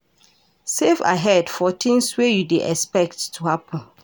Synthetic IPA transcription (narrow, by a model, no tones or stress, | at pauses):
sefa̰ɦɛdfɔtʰĩnswejudeʔɛspɛk̚tʰːuhapʰə̃n